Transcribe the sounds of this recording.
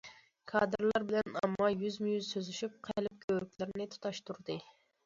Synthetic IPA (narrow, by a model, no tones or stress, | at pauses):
kʰɑːd̪ɨɾlˠɑɾbɪlɛnɑ̰mːɑjyzmɪjyzsøzyʃyp̚qʰelɪp̚kʲʰøɾykʲlɪɾnɪt̪ʰu̥t̪ʰɑʃt̪uɾd̪ɨ